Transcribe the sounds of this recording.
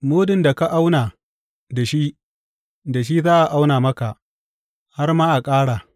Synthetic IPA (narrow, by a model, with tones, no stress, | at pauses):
moː˦dɪ˨nda˨ka˦ʔa˦wnaː˨ | da˨ʃi˦ʔ | da˨ʃ̬i˦zaː˦ʔa˨ʔa˦wnaː˨mɐ˦ka˨ʔ | ha˦rmaː˦ʔa˨kʼaː˦ɽaː˨